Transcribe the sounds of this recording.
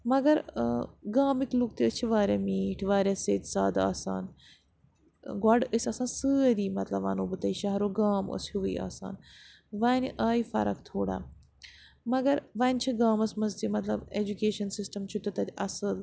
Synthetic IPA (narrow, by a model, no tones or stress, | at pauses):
mɐɡɐɾɡaːmiklukt̪iət͡ʃʰiʋaːɾʲamiːʈʰʋaːɾʲaseːt̪ʲsaːd̪a̰ːsa̰ːn | ɡwaɖəsʲɐsãːnsɨːɾiːmɐt̪lɐbʋa̰ːnoːbɨt̪ɐiʃɐɦɾoɡaːmə̰shuʋəia̰ːsa̰ːn | ʋaːnʲʔaːjifɐ̰ɾɐkt̪ʰoːɽa̰ | mɐɡɐɾʋaːnʲt͡ʃʰiɡaːmɐsmɐzt̪imɐt̪lɐbed͡ʒukeːʃɐnsisʈɐmt͡ʃʰut̪ut̪ɐt̪ʲɐ̰sɨl